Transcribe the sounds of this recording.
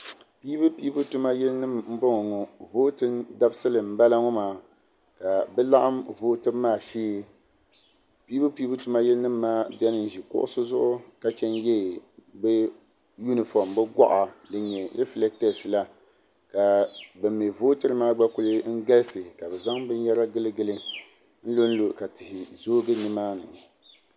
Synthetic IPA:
piː˦bɨ˦pi˦bu˦tu˦ma˦jɛ˦lnɨ˦mm̩˦bo˦ŋɔ˨ŋɔ˨voː˦tɨ˦nda˦bsɨ˦lɨ˨m̩˦ba˦la˦ŋo˦maː˨ | ka˨bɛ˦la˦ʔa˦mvoː˦tɨː˦aː˦˨ʃiː˦ | piː˦bɨ˦piː˦bɨ˦tu˦ma˦jɛ˦lnɨ˦mː˦aː˦bɛ˦nɨ˦n˨ʒi˨kʊ̰˦ʔʊ̰˦sʊ˦zʊ˦ʔʊ˦ka˨t͡ʃɛ˦njɛ˦˨bɛ˦ | ju˦nɨ˨fɔ˨mbɛ˦ɡʷa˦ʔa˨lɨ˨ɲɛ˨ɾɛ˦flɛ˦k̚tɛ˨sɨ˨la˦ | ka˨bɨ˨mːi˨voː˦tɨ˦ɾɨ˦maː˦ɡ͡ba˦ku˦lɨ˦ŋ̩˦ɡa˦lsɨ˨ka˨bɛ˨za˦ŋbɨ˦n˦jɛ˦ɾa˦ɡɨ˦lɨ˦ɡɨ˦lɨ˦ | n̩˦lo˦n̩˦lo˨ka˨tɪ˨hɪ˨zoː˦ɡɨ˦nɨ˦maː˦nɨ̰˨ŋ˨

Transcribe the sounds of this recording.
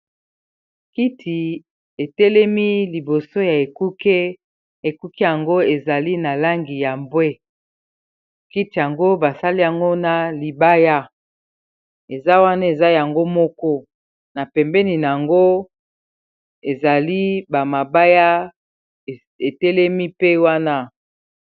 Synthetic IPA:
ki˦tʰi˨ | e˨tɛ˦lɛ˦mi˦li˨bo˨so˦ja˨e˨ku˦ke˦ | e˨ku˦ki˦ja˨ŋɡo˦e˨za˨li˦na˨la˦ŋɡi˨ja˨mbwe˦ | ki˦ti˨ja˨ŋɡo˦ba˨sa˦li˦ja˨ŋɡo˦na˨li˨ba˦ja˦ | e˨za˦wa˦na˦e˨za˦ja˨ŋɡo˦mɔ˦kɔ˦ | na˨pɛ˨mbɛ˦ni˨n˨a˨ŋɡo˦ | e˨za˨li˦ba˨ma˨ba˦ja˦˨ | e˨tɛ˦lɛ˦mi˦pe˦wa˦na˦

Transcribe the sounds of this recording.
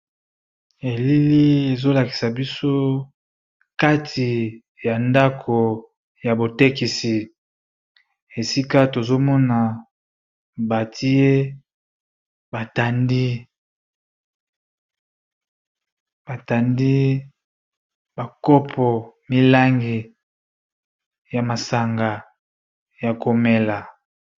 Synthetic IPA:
e˨li˦li˦e˨zo˦la˨ki̥˨sa˨bi˦so˦ | ka˦tʰi˨ | ja˨nda˦kʰo˨ | ja˨bo˨te˦ki˨si˨ | e˨si˦ka˦to˨zo˦mɔ˦na˨ | ba˨ti˦je˦ | ba˨ta˨ndi˦ | b̥a˨ta˨ndi˦ | ba˨kɔ˦pʰɔ˨mi˦la˦ŋɡi˨ | ja˨ma˨sa˨ŋɡa˨ | ja˨ko˨me˨la˨

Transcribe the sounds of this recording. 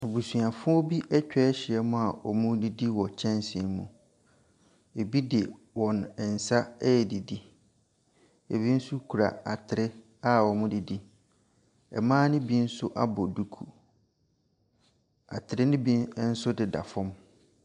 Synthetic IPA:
o˨bu˨su˨a˨fʊ̃˦ɔ˦bi˦ʔɛ˦t͡ɕᶣɛ˦ɕɪ˨ɛ˦mʊ̃˦a˨ʔɔ˨mʊ̃˦di˦di˦wɔ˨t͡ɕʰɛ̃˦nsɪ˨ɪ˨˦mṵ̃˨ | e˨bi˦dɪ˨ | wɔ̃˨nɛ˨n̩˨sa˦ɛ˦jɛ˨di˨di˦ | e˨bi˦n̩˦sʊ˦kʰu˨ɾa̰˨a˨tʰɪ˨ɾɪ˦ | a˦˨wɔ˨mʊ̃˦di˨di˦ | ɛ̰˨mãː˦nɪ̃˦bi˦n̩˦sʊ˦ʔa˦bɔ˨du˦kʰu˨ | a̰˨tʰɪ˨ɾɪ˦nɪ̃˦bi˦n̩˦sʊ˦dɪ˨da̰˨fɔ̃˦m

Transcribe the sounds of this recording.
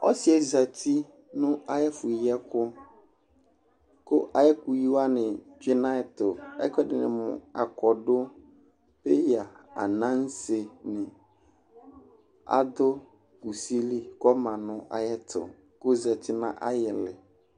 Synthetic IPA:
ɔ̰˦sɪ˦ɛ˨za˨tʰi˦ | nʊ̃˦a˦jɛ˦fʊ˨jɛ˦kʊ˦ | kʊ˦ʔa˨jɛ˦ku˨ji˦wa˦nɪ̃˨ | d͡ʒi˦nã˦ɪ˨tʊ˨ɛ̰˦kʷɛ˦dɪ˨nɪ̃˨mʊ̰̃˨a̰˨kɔ˨dʊ˦ | pe˦ja˨a̰˨nã˦n̩˦se˨nɪ̃˨ | a̰˦dʊ˦ | ku˨si˦li˦kɔ˦mã˨nʊ̃˦ʔa̰˦jɛ˦tʰʊ̰˨ | ko˦za˨tʰi˦nã˦ʔa˦jɛ˨lɪ˨

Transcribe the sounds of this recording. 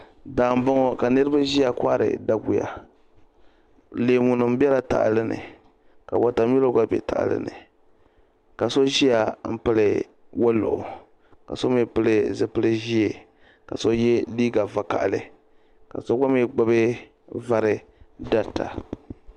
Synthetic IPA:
daː˨m˨bɔ˦ŋɔ˦ka˨nɨ˦ɾɨ˦ba˦ʒi˦a˨kʷa˦ʔɾɨ̰˨da˦ɡu˨ja̰˨ | le˨mu˨nɨ˨m̩˦bɛ˦la˦ta̰˨ʔlɨ˦nɨ̰˨ | ka˨ba˨ta˨m˦i˦lo˦ɡa˦bɛ̰˨ta̰˨ʔa̰˨lɨ̰˦nɨ̰˨ | ka˨so˦ʒi˦ja˨m̩˦pɨ˦lɨ˨ | wo˦lʊ̰˨ʔʊ˨ | ka̰˨so˦mi˦pɨ˦lɨ˦zɨ˦pɨ˦lɨ˦ʒi˦e˨ | ka˨so˦jɛ˦liː˦ɡa˨va˨ka̰˨ʔlɨ˨ | ka˨so˦ɡa˦mi˦ɡ͡ba˦bɨ˦ | va˦ɾɨ˦ | da˦ta̰˨

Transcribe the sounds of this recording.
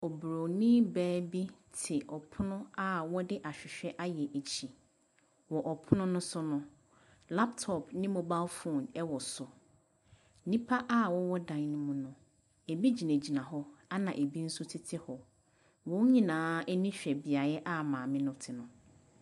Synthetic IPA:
ɔ˨bɾo˨nɪ̃˦bæː˦bi˦tʰɪ˨ʔɔ˨pʰʊ˦nʊ̃˦a˦wɔ˦dɪ˦ʔa˨ɕᶣɪ˨ɕᶣɛ˦ʔa˦jɛ˨ʔe˨t͡ɕʰi˨ | wɔ˨ʔɔ˨pʰʊ˦nʊ̃˦nʊ̃˦sʊ˦nʊ̃˦ | la˦ptʰɔ˨pnɪ̃˦mɔ̃˨ba˦lfu˨nɛ˦wɔ˨sʊ˨˦ | nĩ˦pʰa˦ʔa˦wɔ˦wɔ˦dã˨nnʊ̃˦mũ˦nʊ̃˦ | e˨bi˦d͡ʑi˨næ˨d͡ʑi˨nã˨ɦɔ˦a˦nã˨ʔe˨bi˦n̩˦sʊ˦tʰɪ˦tʰɪ˦hɔ˨ | wɔ̃˦ɲĩ˦nãː˨˦ɛ˦nĩ˦ɕᶣɛ˨bi˨a˨ɾɛ˦ʔa˦mãː˨mɪ̃˦nʊ̃˦tʰɪ˨nʊ̃˨

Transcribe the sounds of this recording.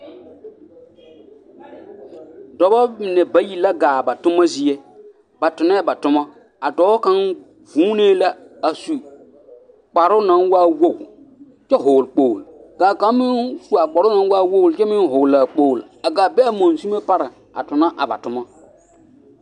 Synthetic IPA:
dɔ˨bɔ˦mɪ˨nɛ˨ba˦ji˨la˦ɡaː˨ba˨tʊ˦ma˦zi˦e˦ | ba˨tʊ˨nɛ˦ba˨tʊ˦mɔ˦ | a˨dɔ˨˦ka˦n | vuː˨˦neː˦la˦ | a˨su˨ | k͡pa˨ɾʊ˦na˦nwa˦wo˦˨ɡ | t͡ʃɛ˦ɦʊː˨lk͡po˦˨lɡ̥aː˨ka˦mɪ˦nsu˦a˨k͡pa˨ɾʊ˦na˨n˦wa˦wo˦ɣlt͡ʃɛ˦mɪ˦nɦʊ˨la˨k͡poː˦˨la˨ɡaː˨bɛ˦a˨mo˨n˨su˦me˦pa˦ɾɪ˨ | a̰˨tʊ˨na˦ʔa̰˨ba̰˨tʊ˦mɔ˦

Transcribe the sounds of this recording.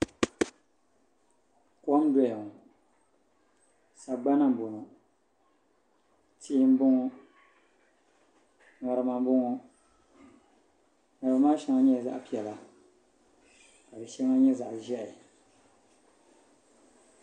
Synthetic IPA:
kwɔ˦mdɔ˦jɛ˨ŋɔ˨ | sa˨ɡ͡ba˦na˦m̩˨bo˨nu˨ | tiː˦m̩˦bʊ˦ŋɔ˦ | nɔ˨ɾɨ˨ma˨m˦bʊ˦ŋɔ˨ | na˨bɨ˨˦maː˦ʃa˦ŋa˦ɲɛ˦˨za̰˦ʔpi˨ɛ˨la˨ | ka˨bɛ˨ʃɛ˦ŋa˦ɲɛ˦za˨ʔʒɛ˦ʔ

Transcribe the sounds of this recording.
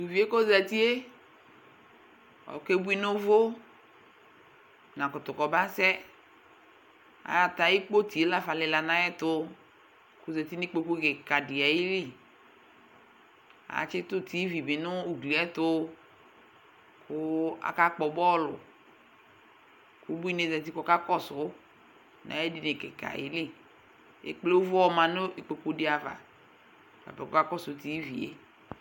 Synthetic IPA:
tu˨vi˨˦e˦ko˦za˨ti˦e˦ | ɔ̰˨ke˦bu˦i˦nʊ˦vo˦ | nã˨kʊ˨tʊ˨kɔ˨ba˦sɛ˦ | a̰˨ja˨ta˨i˦k͡po˦ti˨e˨˦la˦fa˨lɪ˨la˨nã˦ɛ˦tʊ˦ | kʊ˨za˨ti˦ni˦k͡po˦ku˦kɪ˨ka˨dɪ˨a˨ji˦li˦ | a̰˨˦t͡ʃɪ˦tʊ˦ti˨˦vi˨bɪ˨nʊ˦u˨du˨ɛ˦tʊ˦ | kʰʊ˦a̰˨ka˦k͡pɔ˨bɔ˦lʊ˨ | ku˨˦bu˦i˦ne˦˨zɛ˨t̬i˦kɔ˨˦ka˦kɔ˦sʊ˨˦ | na̰˨˦ɛ˦di˨ne˨ke˨ka̰˨jḭ˦li˦˨ | ḛ˨k͡ple˦o˦vʊ˦ɔ˦mã˨nʊ˦i˨k͡pe˨ko˦dɪ˦a˨va̰˨ | ba̰˨bɛ˨kɔ˦ka˦kɔ˦sʊ˨˦ti˨˦vḭ˨ḛ˦

